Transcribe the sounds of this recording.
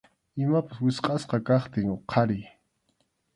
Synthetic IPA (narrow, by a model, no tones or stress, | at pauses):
ɪmapaswɪsqʼɑsqɑkɑχt̪ɪŋoqʰɑɾɪj